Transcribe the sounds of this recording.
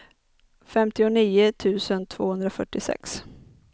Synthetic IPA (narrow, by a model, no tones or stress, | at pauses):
fɛmt̪ɪʊniːʊt̪ʰʉ̟ːsənt̪ʰv̥oːhɵnd̪ɾafœʈːɪsɛ̰ks